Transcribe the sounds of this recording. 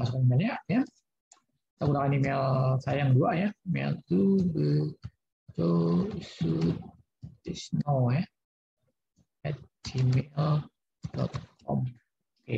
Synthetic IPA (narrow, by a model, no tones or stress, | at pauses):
masukanimelɲaja | t̪akunakanimelsajaŋduajamḛlt̪ubə | t͡ʃoisu | isnoja | ɛt̪̚d͡ʒimel | dɔ̰t̪̚kʰɔ̰m | ke